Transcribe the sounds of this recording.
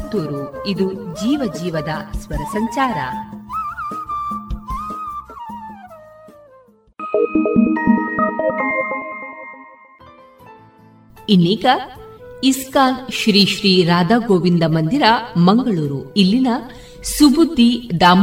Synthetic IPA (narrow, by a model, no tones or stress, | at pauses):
t̪uːɾuid̪ud͡ʒiːʋɐd͡ʒiːʋɐd̪ɐsʋɐɾɐsɐɲt͡ʃaːɾɐ̰ | inːiːkɐiskaːnʃɾiːʃɾiːɾaːd̪aːɡoːʋind̪ɐmɐnd̪iɾɐmɐŋɡɐɭuːɾuilːinɐ | subud̪ʱːid̪aːm